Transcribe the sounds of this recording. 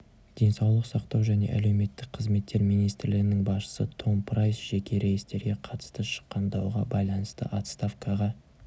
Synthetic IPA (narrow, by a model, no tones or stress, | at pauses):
d̪̥e̞nsɑwlˠəqsɑqt̪ɑwʒæne̞̰ʔæ̰le̞wme̞t̪ːɪk̚qʰəzme̞t̪ːe̞ɾmijnijst̪ɾlɪɡʲɪnɪŋbɑsʃə̥sət̪ʰo̞mpɾajsʒ̥ekʲe̞ɾe̞jst̪e̞ɾɡʲe̞qʰɑt̪ə̥st̪əʃə̥qːɑnd̪ɑwʁɑbɑjlˠɑnəst̪ə̰ʔat̪st̪afkʰɑʁɑ